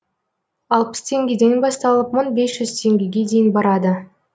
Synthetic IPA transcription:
ɑlˠpə̥st̪ʰe̞ŋɡʲe̞d̪e̞nbɑst̪ɑlˠəpmənbe̞sʒʏz̥t̪ʰe̞ŋɡʲeɡʲe̞d̪e̞jɪnbɑɾɑd̪ə

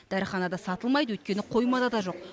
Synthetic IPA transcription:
d̪̥æɾɪχɑnɑd̪ɑsɑt̪əlˠmɑjd̪əwɵt̪̚kʲe̞nɪqʰo̞jmɑd̪ɑd̪ɑʒo̞q̚

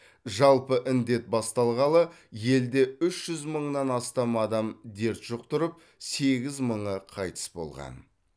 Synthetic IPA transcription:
ʒɑlˠpəʔɪnd̪e̞t̪̚bɑst̪ɑlˠʁɑlˠə | je̞ld̪e̞ʏʃʒ̥ʏzməɴnɑnɑst̪ɑmɑd̪ɑmd̪e̞ɾt̪ʒ̥ʊq̚t̪ʰʊɾəp̚ | se̞ɡʲɪzməɴəqʰɑjt̪ə̥sbo̞̰lˠʁɑ̰n

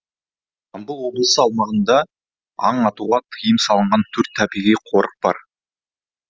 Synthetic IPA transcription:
ɑmbəlˠwo̞blˠəsəɑlˠmɑʁənd̪ɑ | ɑ̰ɴɑt̪uʁɑt̪ʰəjəmsɑlˠəɴʁɑnt̪ʰɵɾt̪ʰːæbijʁijqʰo̞ɾəq̚b̥ɑ̰ɾ

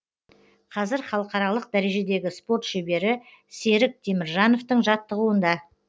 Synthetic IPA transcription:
qʰɑzɪɾχɑlˠəqɑɾɑlˠəq̚d̪æɾe̞ʒe̞d̪e̞ɡʲɪspo̞rt̪ʃebe̞ɾɪ | se̞ɾɪk̚t̪ʰemɪɾʒɑno̞ft̪əɴʒɑt̪ːəʁuənd̪ɑ

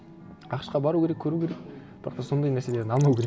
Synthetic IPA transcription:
ɑqʃqɑbɑɾukʲe̞ɾekʲʰːɵɾukʲʰe̞ɾek̚b̥ɪɾʔɑ̰qt̪ɑso̞nd̪ɑjneɾsele̞ɾd̪ɪnɑlˠnɑwukʲʰeɾe

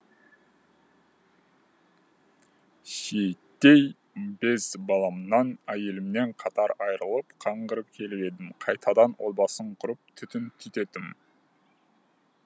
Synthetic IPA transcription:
ʃejt̪ːe̞j | be̞zbɑlˠɑmnɑnæje̞lɪmne̞ɴqʰɑt̪ɑɾɑjɾəlˠəpqʰɑɴɢəɾəpkʲʰe̞lɪpe̞d̪ɪmqʰɑjt̪ʰɑd̪ɑnwʔolˠbɑsəɴqʰʊɾəp̚t̪ʰʏt̪ɪnt̪ʰʏt̪e̞t̪ɪm

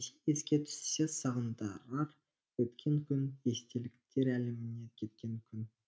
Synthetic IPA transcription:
see̞skʲe̞t̪ʰʏ̥ssesɑʁənd̪ɑɾɑɾ | wɵt̪kʲʰe̞ŋkʲʰʏne̞st̪elɪkt̪e̞ɾælɪmɪnekʲʰe̞t̪̚kʲe̞ŋkʲʰʏn

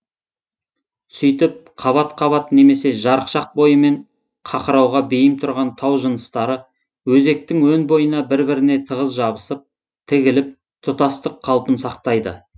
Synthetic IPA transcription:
sʏjt̪ɪp̚qʰɑβɑt̪qʰɑβɑt̪ne̞me̞se̞ʒɑɾəqʃɑq̚bo̞jəme̞ɴ | qʰɑqəɾɑwʁɑbejɪmt̪ʰʊɾʁɑnt̪ʰɑwʒənəst̪ɑɾə | wɵze̞k̚t̪ɪŋwɵnbo̞jənɑbɪɾbɪɾɪne̞t̪ʰəʁəzʒɑbəsəp̚ | t̪ʰɪɡʲɪlɪp̚ | t̪ʰʊt̪ɑst̪əqʰːɑlˠpənsɑq̚t̪ɑjd̪ə̰

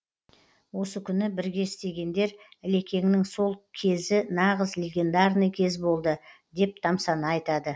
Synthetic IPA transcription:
wo̞səkʲʰʏnɪbɪɾɡʲe̞ɪst̪e̞ɡʲe̞nd̪e̞ɾɪle̞kʲe̞ŋnɪŋso̞lˠkʲʰe̞zɪnɑʁəzlʲe̞ɡʲe̞nd̪ɑrnəjkʲʰe̞zbo̞lˠd̪ə | d̪e̞p̚t̪ʰɑmsɑnəɑjt̪ɑd̪ə

